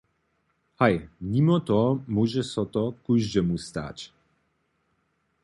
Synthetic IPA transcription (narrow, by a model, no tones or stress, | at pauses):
hajmimɔt̪ɔmuʒɛsɔt̪ɔkuʒdɛmust̪a̰t͡ɕ